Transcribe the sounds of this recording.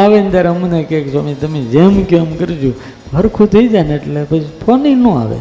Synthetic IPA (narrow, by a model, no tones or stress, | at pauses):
aʋent̪jaɾəmunekeksamit̪əmed͡ʒemkomkəɾid͡ʒũ | bʱəɾkʰud̪əid͡ʒaneːʈlepət͡ʃpʰɔninũa̰ʋḛ